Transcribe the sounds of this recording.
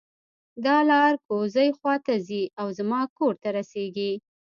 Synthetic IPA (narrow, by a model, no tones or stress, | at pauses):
d̪ɑlɑɾkozəjxwɑt̪aziawzamɑkoɾt̪aɾaseɡi